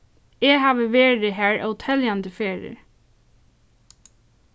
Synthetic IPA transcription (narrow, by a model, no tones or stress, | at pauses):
ɛːɦɑːʋəʋeːɾɪɦæːɹʔa̰wt̪ʰɛljand̪əfeːɹɪ̰